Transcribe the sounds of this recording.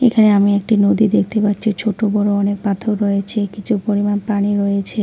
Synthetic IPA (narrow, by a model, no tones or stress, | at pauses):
ekʰaneamiekʈinod̪id̪ek̚ʰt̪epatːɕʰit͡ɕʰoʈobɔɾoɔnek̚pat̪ʰoɾɾojet͡ɕʰekit͡ɕʰupoɾimanpɾaniɾojet͡ɕʰe